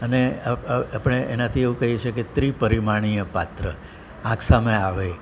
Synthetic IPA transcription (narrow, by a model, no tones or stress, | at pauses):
əneapəɳ̃eʔenat̪ʰieʋũkəɦit͡ʃʰeket̪ɾipəɾimaɽ̃ijəpa̰t̪ɾə | ãksameaʋe